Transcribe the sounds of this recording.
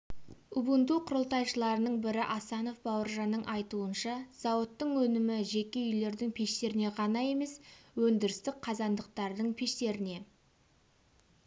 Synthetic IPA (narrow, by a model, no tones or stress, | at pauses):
ʊbund̪uqʰʊɾəlˠt̪ɑjʃəlˠɑɾənəɴbɪɾɪʔɑsɑno̞fbɑwəɾʒɑnːəɴʔɑjt̪uənʃɑz̥ɑwət̪ːəɴwɵnɪmɪʒe̞kʲe̞ʏjle̞ɾd̪ɪŋpʰe̞ʃt̪e̞ɾɪne̞qɑnɑje̞me̞swɵnd̪ɪɾɪst̪ɪk̚qʰɑzɑnd̪əq̚t̪ɑɾd̪əɴpʰe̞ʃt̪e̞ɾɪne̞